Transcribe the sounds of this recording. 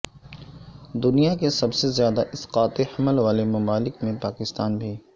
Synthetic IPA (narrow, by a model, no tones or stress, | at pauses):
d̪ʊnijakesɐbsezjaːd̪aʔɪsqaːt̪ehɐməlʋaːlemɐmaːlɪkmẽpaːkɪst̪aːnbʱiː